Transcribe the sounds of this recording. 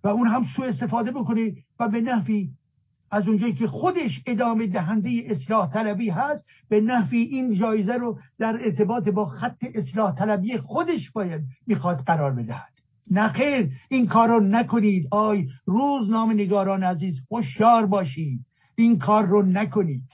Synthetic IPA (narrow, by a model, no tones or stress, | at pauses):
væuːnɦæmsuːe̞st̪e̞fɒːd̪eboko̞nevæbe̞næhviː | æzund͡ʒɑːiːkʰe̞xod̪e̞ʃed̪ɒːmed̪æɦænd̪ejeʔeslɒːht̪ʰælæbiːɦæst̪ | benæhviːʔiːnd͡ʒɒːjezæɾod̪æɾeɾt̪ʰe̞bɒːt̪ebɒːxæt̪ʰːe̞ʔeslɒːht̪ʰælæbiːjexod̪e̞ʃb̥ɒːjæd̪̚miːxɒːd̪ɢæɾɒːɾbe̞d̪æhæd̪̥ | næxejɾinkʰɒːɾonækʰoniːd̪ɒːjruːznɒːmeneɡɒːɾɒːneæziːzhoʃjɒːɾbɒːʃiːd̪̥̚ | inkʰɒːɾːonækʰoniːd̪̥